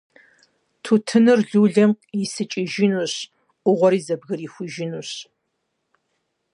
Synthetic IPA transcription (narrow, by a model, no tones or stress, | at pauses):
tʰutʰɨnɨrɮuːɮɐm | jɪsɨt͡ʃʼɪʒɪnuːɕ | ʔʷʊʁʷɔɾiːzɐbɣɐriːxʷʊʒɪnuːɕ